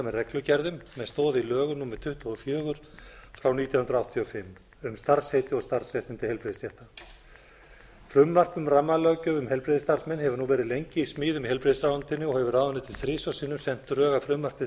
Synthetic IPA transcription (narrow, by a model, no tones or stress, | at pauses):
amɛðrɛklʏcɛɾðʏmːɛðst̪ɔːðɪilœːɣʏnumɛðt̪ʰʏht̪ɔfjœːɣʏɾ̥fɾawniːt̪jahnɾawht̪ʰiɔfɪmː | ʏmst̪aɾ̥shejt̪ɪɔɣst̪ar̥sɛht̪ɪnt̪ɪhɛlpɾeːðɪst̪jɛht̪a | fɾʏmːar̥pʏmramːalœcʏʏmhɛlpɾeːðɪst̪ar̥smɛnːhɛvʏɾnuvɛːɾɪðlejɲcɪismiːðʏmɦɛlpɾeːsɾawant̪ʰɪnːɪɔhɛvʏraːwvanɪt̪ʰɪlθɾɪːsœsiːnʏmsɛn̥t̪ʏɾœːɣafɾʏmːar̥pɪ